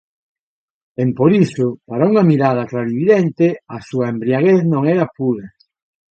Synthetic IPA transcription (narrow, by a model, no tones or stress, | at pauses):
empoɾisʊpaɾauŋɐmiɾað̞ɐklaðiβiðent̪eɪasuaembɾiaɣeθnõŋɛɾapuɾa